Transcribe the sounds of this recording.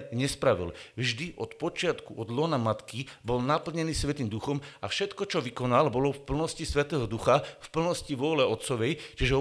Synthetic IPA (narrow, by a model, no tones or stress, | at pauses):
ɲɛspɾaʋḭlvʒd̪iʔɔt̪pɔt͡ʃɪat̪kuʔɔd̪lɔːnamat̪kibɔlnapl̩ɲɛniːsʋɛt̪iːmd̪uxɔmafʃɛt̪kɔt͡ʃɔʋikɔnalbɔlɔfpl̩nɔscisʋɛt̪ɛːɦɔd̪uxafpl̩nɔsciʋɔlɛɔt̪t͡sɔʋɛjt͡ʃiʒɛ